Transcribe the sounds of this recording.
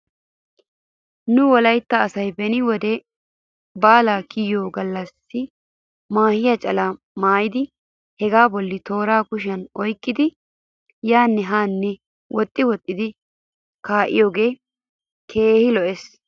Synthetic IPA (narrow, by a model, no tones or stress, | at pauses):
nʊwɔlɐjt̪ːɐːsɐjbɛnɪwɔd̪ɛ | baːlaːkijjoːɡɐlːɐsːɪ | maːhɪjɐt͡ʃʼɐlaː | maːjɪd̪ɪ | hɛɡaːbɔlːɪt̪o̞ːɾaːkʊʃ̬ɐnɔjkʼːɪd̪ɪ | jaːnːɛɦaːnːɛ | wʔɔt̪ʼːɪwɔt̪ʼːɪd̪ɪ | kaːʔɪ̰joːɡe̞ː | kʰe̞ːhɪlɔʔɛs